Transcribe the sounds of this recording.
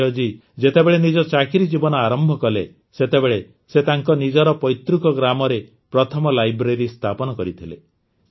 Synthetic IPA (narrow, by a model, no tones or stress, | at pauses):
ɔd͡ʒi | d͡ʒet̪ebeɭenid͡ʒɔt͡ʃakʰiɾid͡ʒibɔnɔaɾɔmbʱɔkɔle | set̪ebeɭe | set̪aŋkɔnid͡ʒɔɾɔpɔjt̪ɾukɔɡɾamɔɾe | pɾɔt̪ʰɔmɔlajbɾeɾist̪ʰapɔnɔkɔɾit̪ʰilḛ